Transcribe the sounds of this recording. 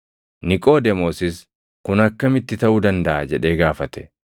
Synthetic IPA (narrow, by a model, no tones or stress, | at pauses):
nɪkʼo̞ːd̪ɛmoːsɪs | kʊnɐkːɐmɪt̪ːɪt̪ɐʔuːd̪ɐnd̪ɐʔaːd͡ʒɛᶑe̞ːɡaːfɐt̪ɛ̥